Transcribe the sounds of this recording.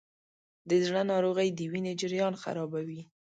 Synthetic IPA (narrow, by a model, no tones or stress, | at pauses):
d̪əzɳanɑɾoɣəjd̪əwined͡ʒɪɾjɑnxa̰ɾɑbawi